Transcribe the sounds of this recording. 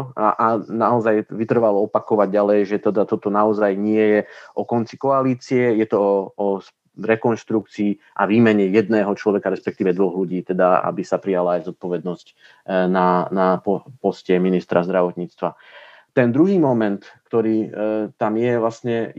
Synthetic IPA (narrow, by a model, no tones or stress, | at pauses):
ʔanaɔzajʋit̪r̩ʋalɔɔpakɔʋaɟɟalɛjʒɛt̪ɛd̪at̪ɔt̪ɔnaɔzajɲɪɛjɛʔɔkɔnt͡sikɔaliːt͡siɛjɛt̪ɔɔɔs | ɾɛkɔnʃt̪ɾukt͡siː | ʔaʋiːmɛɲɛjɛd̪nɛːɦɔt͡ʃlɔʋɛkaɾɛspɛk̚t̪iːʋɛd̪ʋɔɣluɟiːt̪ɛd̪aa̰bisapɾijalaːjzɔt̪̚pɔʋɛd̪nɔsc | nanapɔpɔscɪɛminist̪ɾazd̪ɾaʋɔt̪ɲiːt͡st̪ʋa | t̪ɛnd̪ɾuɦiːmɔmɛnt̪kt̪ɔɾiːt̪amjɛʋlasɲɛ